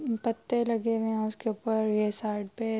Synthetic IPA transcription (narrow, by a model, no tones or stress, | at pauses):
pət̪ːelɐɡeʋẽãʊskeʊpəɾjesaːɾɖ̚pe